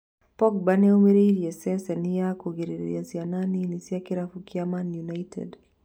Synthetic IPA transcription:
pɔk̚banɛumiɾiɾiɛsɛsɛniakuɣiɾiɾḭḭasiananinisiakiɾafukiamanjunajtʰɛ̰d

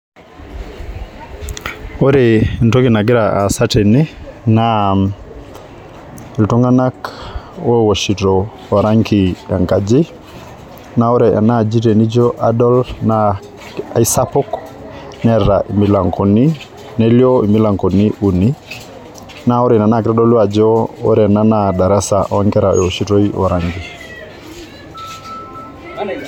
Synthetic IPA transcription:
oɾentokinaɡiɾaʔasatenina | iltuŋanak | wowoʃito | aɾaŋkiaŋkad͡ʒi | naoɾeʔa̰nad͡ʒitenid͡ʒoʔadolna | aisapɔk | nɛɾaʔimilaŋkoni | neljoimilaŋkoniʔuni | naɔɾenanakɾadolwad͡ʒoɔ̰ɾenanadaɾasaʔɔaŋkɛɾajwoʃitoiʔɔ̰ɾaŋki

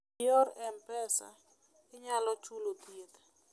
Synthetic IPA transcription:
jɔrɛmpɛsa̰ | ɪɲalɔt͡ʃulot̪iet̪ḁ

